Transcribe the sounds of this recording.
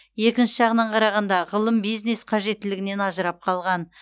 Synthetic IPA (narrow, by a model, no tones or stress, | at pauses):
je̞kʲɪnʃɪʒɑʁənɑɴqʰɑɾɑʁɑnd̪ɑʁəlˠəmbijzne̞sqʰɑʒe̞t̪ːɪlɪɡʲɪne̞nɑʒəɾɑp̚qʰɑlˠʁɑn